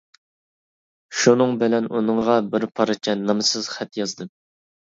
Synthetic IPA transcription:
ʃunɨŋbɪlɛnunɨŋʁɑbɪɾpʰɑɾɨt͡ʃʰɛnːɑmɨsɨz̥χæt̪jɑzd̪ɨm

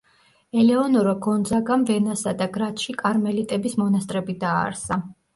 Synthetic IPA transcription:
ɛlɛɔnɔɾɔɡɔnd̪zaɡamvɛnasad̪aɡɾat̪ʰʃikʼaɾmɛlit̪ʼɛbismɔnast̪ʼɾɛbid̪a̰ːɾsa

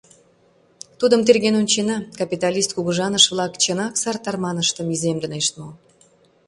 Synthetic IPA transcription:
t̪ud̪əmt̪erɣenunʲt͡ɕenɑkɑpʲit̪ɑlʲist̪̚kuɣəʒɑnəʃvlɑkt͡ɕənɑksɑrt̪ɑrmɑnəʃt̪əmizemd̪ə̆neʃt̪mo

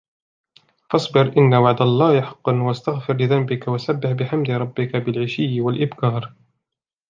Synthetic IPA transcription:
fɑsˤbɪɾʔɪnːawaʕd̪alˤːɑːhjħɑ̥qːɑnwst̪aɣfɪɾlɪðambɪkawasabːɪħbɪħamd̪ɪɾˤɑbːɪkabɪlʕɪʃɪːwalʔɪbkɑːɾˤ

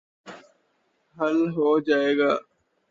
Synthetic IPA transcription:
ɦəlɦoːd͡ʒaːeːɡaː

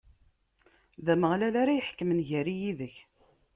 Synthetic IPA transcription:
ðæməʁlælaɾajəħkːəmənʝæɾijiðəç

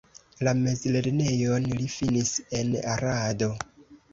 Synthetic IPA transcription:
lame̞zle̞ɾne̞jo̞nlifinise̞na̰ɾado̞

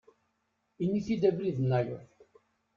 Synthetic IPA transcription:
inːiθid̪ævliðnːæjʊ̰θ

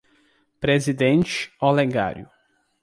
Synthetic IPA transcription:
pɾezid̪ẽnt͡ʃoleɡa̰ɾjʊ

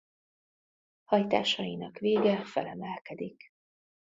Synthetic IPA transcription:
hɒjt̪a̰ːʃɒjinɒkʋeːɡɛfɛ̰lɛmɛlkɛd̪ik

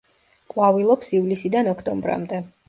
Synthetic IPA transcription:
qʼwavilˠɔpsivlisid̪anɔkʰt̪ʼɔmbɾa̰md̪ɛ

